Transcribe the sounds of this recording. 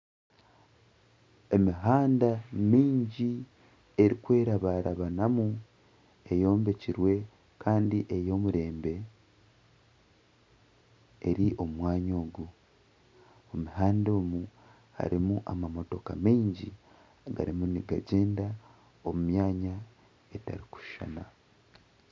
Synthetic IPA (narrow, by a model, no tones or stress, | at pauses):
e̞miɦaːndamiːɲɟi | eɾikwe̞ːɾaβaɾaβanamu | e̞jo̞ːmbe̞ciɾwe̞ | kʰaːndiʔe̞jo̞ːmuɾe̞ːmbe̞ | ɾiʔo̞mwaːɲo̞ːɡu | omuɦaːndemu | ha̰ɾimuʔamamo̞to̞kamiːɲɟi | aɡa̰ɾimuniɡaɟe̞ːnda | omumjaːɲa | eta̰ɾiku̥ʃʃa̰na